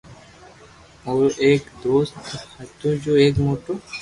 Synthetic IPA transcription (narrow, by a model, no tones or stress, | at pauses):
oːɾʔeːkd̪oːst̪hɐt̪ud͡ʒoːeːkmoːʈoː